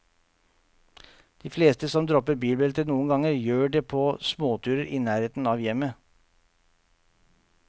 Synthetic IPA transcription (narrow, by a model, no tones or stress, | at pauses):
d̪̥iːfleːst̪əsɔmd̪ɾɔpəɾbiːlbɛlt̪ənuːənɡɑŋəɾjøːɖeːpʰoːsmoːt̪ʰʉːɾəɾʔiːnæːɾeːt̪n̩ɑːʋjɛmə